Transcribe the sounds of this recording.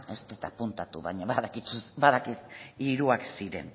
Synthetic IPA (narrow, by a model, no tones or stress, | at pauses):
e̞st̪et̪apunt̪at̪uβaɲaβaðakit͡susbaðakisiɾuaksiɾe̞̰n